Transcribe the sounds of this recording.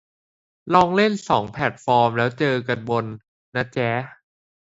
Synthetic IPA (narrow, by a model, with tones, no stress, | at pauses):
lɔː˧˩ŋle˥˩nsɔː˩˦ŋpʰɛ˨˩t̪̚fɔː˧mlɛː˦˥wt͡ɕɤː˧ka˧nbo˧nː | a˦˥t͡ɕɛː˦˥